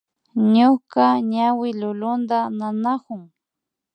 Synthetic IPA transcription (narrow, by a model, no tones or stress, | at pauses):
ɲokaɲawɪlʊlʊnd̪ananakʊŋ